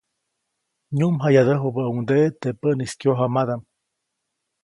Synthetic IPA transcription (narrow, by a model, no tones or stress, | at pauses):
ɲumɦajad̪əɦobəaund̪et̪epəniskjoɦamad̪am